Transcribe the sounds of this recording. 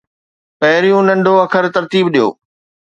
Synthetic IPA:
pɐɦɪɾijũnɐ̃ɳɖʱoɐkʰəɾt̪ɐɾt̪iːbɗijo̰ː

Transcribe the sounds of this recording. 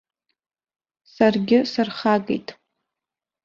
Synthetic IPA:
sarɡʲɪsɨrχaɡʼḛjtʼ

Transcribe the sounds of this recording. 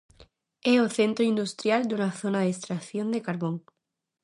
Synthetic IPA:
eoθẽnt̪ɾoind̪ust̪ɾjald̪unaθonaðeest̪ɾaθjond̪ekaɾβoŋ

